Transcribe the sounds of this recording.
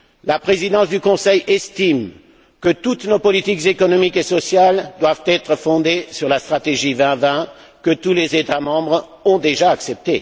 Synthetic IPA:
lapχezid̪ɑ̃sd̪ykɔ̃sɛjɛst̪im | kət̪ut̪nopɔlit̪ikzekɔnɔmikesɔsjald̪wavt̪ɛt̪χəfɔ̃d̪esyʁlast̪χat̪eʒivɛ̃vɛ̃ | kət̪ulezet̪amɑ̃bʁ | ɔ̃d̪eʒaːksɛp̚t̪e

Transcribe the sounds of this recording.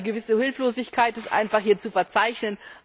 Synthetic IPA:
əɡəvɪsəhɪlfloːzɪçkʰaɪtɪstʔa̰ɪnfaχhiːɐt͡sufɛɐt͡saɪçnən

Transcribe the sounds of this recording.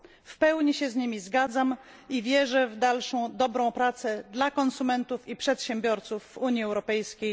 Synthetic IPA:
fpɛwɲiɕɛzɲimʲizɡad̪zam | ivʲjɛʐɛvd̪alʂɔ̃w̃d̪ɔbɾɔ̃w̃pɾat̪sɛd̪lakɔnsumɛnt̪ufipʂɛt̪ɕɛmbʲjɔɾt̪sufːuɲjiɛwɾɔpɛjskʲej

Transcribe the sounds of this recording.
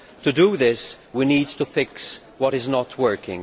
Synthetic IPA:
tɨduðɪswiniːd̚tufɪks | wɔɾɪznətʰwɜ˞kɪ̰̃ŋ

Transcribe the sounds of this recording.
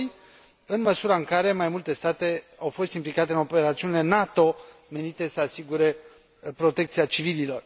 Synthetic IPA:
j | ɨnməsuɾaɨŋkaɾe̞majmult̪e̞st̪at̪e̞awfo̞st̪implikat̪e̞ɨno̞pe̞ɾat̪siunile̞nat̪o̞me̞nit̪e̞səasiɡuɾe̞ | pɾo̞t̪e̞k̚t̪siat͡ʃivililo̞r

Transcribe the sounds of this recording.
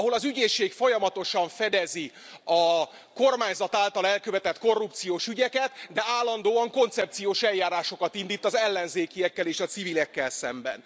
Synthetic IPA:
ɒɦo̞lɒzyɟeːʃeːkfo̞jɒmɒt̪o̞ʃɒɱfɛd̪ɛzi | ɒ | ko̞rmaːɲzɒt̪aːlt̪ɒlɛlkøvɛt̪ɛt̪ko̞rːup̚t̪sijoːʃyɟɛkɛt̪d̪ɛaːlːɒnd̪oːɒŋko̞nt̪sɛp̚t̪sijoːʃɛljːaːɾaːʃo̞kɒt̪ind̪iːt̪ːɒzɛlːɛnzeːkiɛkːɛleːʃɒt̪sivilɛkːɛlsɛ̰mbɛ̰n

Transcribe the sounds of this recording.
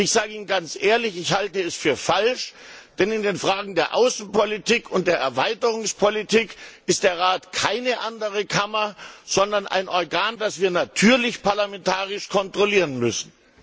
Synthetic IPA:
ɪçz̥aːɡəiːnənɡant͡sʔeːɐlɪçɪçhaltəɛsfyːɐfalʃd̥ɛnɪndeːnfʁ̥aːɡŋ̩deːɐʔa̰ʊsn̩pɔlitʰiːkʰʊnt̚d̥eːɐʔɛɐvaɪtəʁʊŋspʰolitʰiːkɪst̚d̥eːɐʁaːtkʰaɪnəʔandəʁ̞əkʰamɐz̥ɔndɐnʔa̰ɪnʔɔɐɡaːndasv̥iːɐnatʰyːɐlɪçpaɐlamɛntʰaːʁɪʃkʰɔntʁ̥oliːʁənmʏsn̩

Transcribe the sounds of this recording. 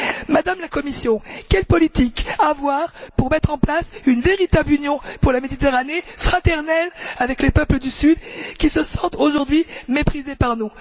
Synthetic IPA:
mad̪amlakɔmisjɔ̃kʲɛlpɔlit̪ikavwaʁpuʁmɛt̪χɑ̃plasynveʁit̪ablynjɔ̃puʁlamed̪it̪eʁanefχat̪ɛʁnɛlavɛklepœpləd̪ysyd̪kʲisəsɑ̃t̪oʒuʁd̪ɥimepχizepaʁnũ

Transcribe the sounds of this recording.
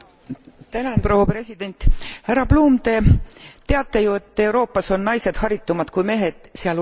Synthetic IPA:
t̪ænɑnpro̞wɑpre̞sʲid̪e̞nʲt̪hærːɑpluːmt̪e̞t̪e̞ɑt̪ːˑe̞jue̞t̪ːˑe̞wɾo̞ːpːˑɑso̞nːɑjse̞d̪̥hɑɾit̪ːumɑd̪̥kujme̞ːɦe̞d̪̥seɑl

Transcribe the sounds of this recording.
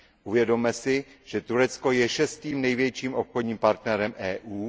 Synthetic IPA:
ʔuvjɛdo̞mɛsɪʒ̥ɛt̪uɾɛt͡sko̞jɛʃɛst̪iːmnɛjvjɛt͡ʃiːmʔo̞pxo̞dɲiːmpaɾt̪nɛɾɛmʔɛːʔuː

